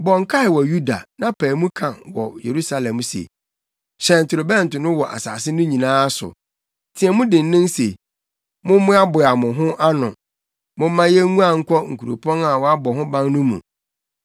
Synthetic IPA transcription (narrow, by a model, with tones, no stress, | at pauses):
bɔ˨ŋ̩˦kʰa˦ɪ˨wɔ˨ju˦da̰˨nã˦pʰɛː˨˦mũ˦kʰã˨wɔ̰˨jḛ˨ɾu˦sa˨lɛ̃˨m˦sḛ˨ | ɕɛ̃˨n̩˨tʰʊ˨ɾʊ˨bɛ̃˦˨n̩˨tʊ˨nʊ̃˦wɔ˨ʔa̰˨sa̰ː˨sɪ˦nʊ̃˦ɲĩ˨nãː˦sʊ̰˨ | tʰɪ˨ɛ˨mʊ̃˦dɪ̃˨n˦nɪ̃˦n˦se˨ | mʊ̃˦mʊ̃˦a˦bʊ˨a˨mʊ̃˨ɦʊ̃˦ʔa˦nʊ̰̃˨ | mʊ̃˦mã˦jɛ˦ũ˦a˨ŋ̩˦kʰɔ˦ŋ̩˨kʰu˨ɾo̰˨pʰɔ̃˦na˨wɔ˦a˦bɔ˨ɦʊ̃˦bã˦ŋnʊ̃˦mṵ̃˨